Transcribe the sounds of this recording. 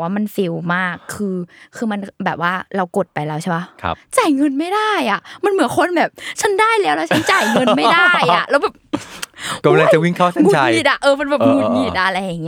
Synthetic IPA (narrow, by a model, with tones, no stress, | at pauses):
waː˥˩ma˧nfi˧˩wmaː˥˩kʰːɯː˧kʰɯː˧ma˧nbɛː˨˩p̚waː˥˩ɾa˧wko˨˩t̪̚pa˧jlɛː˦˥wt͡ɕʰa˥˩ba˦˥kʰt͡ɕaː˨˩jŋɤ˧nma˥˩jdaː˥˩jʔa˨˩ma˧nmɯ˨˩˦ənkʰo˧nbɛː˨˩p̚t͡ɕʰa˦˥ndaː˥˩jlɛː˦˥wlɛ˧˥wt͡ɕa˦˥nt͡ɕa˨˩jŋɤ˧nma˥˩˧da˥˩jʔa˨˩ʔlɛː˦˥wbɛː˨˩p | kmla˧ŋ˨t͡ɕa˨˩wi˧˩ŋkʰaː˥˩t̪ʰa˦ŋ˦u˧t͡ɕa˧iː˧˩a˧ʔɤː˧ma˧nbɛː˨˩p̚ŋuː˧˩t̚ɲiː˧˩t̪̚a˧ʔa˧ɾa˧jːaː˨˩ŋːi˦˥